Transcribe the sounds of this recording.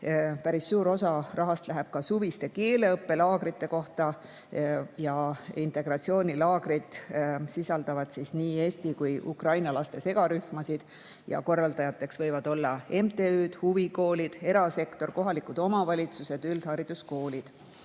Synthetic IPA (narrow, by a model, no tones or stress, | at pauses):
pæɾisːuːɾo̞sɑrɑɦɑst̪læɦeb̥̚kɑsuvist̪e̞ke̞ːle̞ɤpːe̞lɑːɡ̥ɾit̪ːˑe̞ko̞ht̪ɑ | jɑint̪ˑe̞ɡ̥ɾɑt̪sio̞ːnʲilɑːɡ̥ɾid̪̥sisɑld̪̥ɑvɑd̪̥sisniːe̞ːst̪ikujʔṵkrɑjnɑlɑst̪e̞se̞ɡ̥ɑɾyhmɑsid̪̥ | jɑ̰ko̞rːɑld̪̥ɑjɑt̪ːˑe̞ksvɤ̞jvɑd̪̥o̞lːɑe̞mt̪e̞yːd̪̥huviko̞ːlid̪̥e̞ɾɑse̞kt̪o̞rko̞ɦɑlikˑud̪o̞mɑvɑlʲit̪suse̞d̪̥yld̪̥hɑɾid̪̥usko̞ːlʲid̪̥